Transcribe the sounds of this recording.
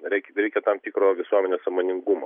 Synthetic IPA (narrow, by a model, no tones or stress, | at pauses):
ɾʲɛɪkʲɾʲɛɪkʲɛt̪ɐmt̪ʲikɾoːʋʲɪsuɔmʲɛnʲeːssɐmoːnʲɪŋɡʊmo̰